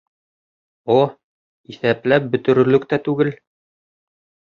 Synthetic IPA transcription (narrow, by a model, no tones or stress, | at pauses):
o | iθæplæp̚bɵ̆t̪ɵ̆ɾɵ̆lɵkt̪æt̪ʉɡɘl